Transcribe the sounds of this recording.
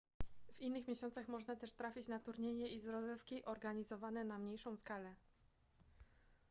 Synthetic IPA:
v̥inːɘxmʲjeɕɔnt̪saxmɔʐnat̪ɛʂt̪ɾafʲit͡ɕnat̪uɾɲeɲɛizɾɔzɛfkʲiʔɔɾɡaɲizɔvanɛnamɲejʂɔ̃w̃skalɛ

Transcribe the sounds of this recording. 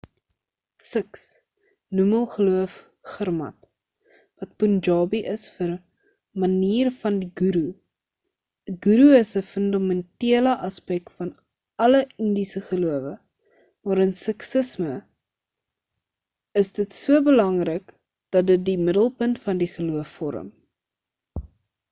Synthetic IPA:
səks | numəlˠχəluəf | χərmɐ̰t | vɐt̚pund͡ʒɑːbiʔəsfər | mɐniːrfɐndiɡuɾu | əɡuɾuəsəfəndɑmɛntiələʔɐspɛk̚tfɐn | ɐləəndisəχəluəvə | mɑːɾənsɛksəsmə | əsdətsuəbəlɐŋrək | d̥ɐt̚dət̚dimədəlˠpəntfɐndiχəluəfːɔɾə̰m

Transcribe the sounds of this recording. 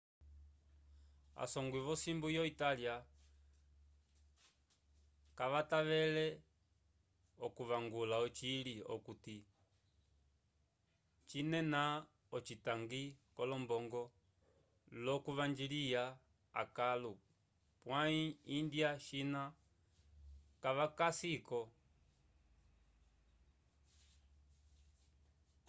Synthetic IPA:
a̰sɔŋɡwiβɔsimbujɔitalia | kaʋataʋɛlɛ | ɔkuβaŋɡulaɔt͡ʃiliɔ̰kuti | t͡ʃinɛna | ɔt͡ʃitaŋɡikɔlɔmbɔŋɡɔ | lɔkuʋaɲd͡ʒilija | a̰kalu | pwaiːndjaʃina | kaʋakasikɔ

